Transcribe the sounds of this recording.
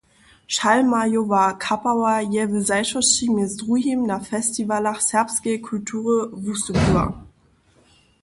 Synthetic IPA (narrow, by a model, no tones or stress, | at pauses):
ʃalmajovakʰapawajɛvəzaɪʃɔʃimesdʁuhimnafɛstivalaχsɛɐpskekʰultʰuːʁəvusəbuɐ̰